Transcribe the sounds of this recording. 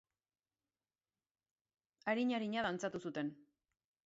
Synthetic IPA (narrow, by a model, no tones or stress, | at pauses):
aɾiɲaɾiɲaðant͡sat̪usut̪e̞n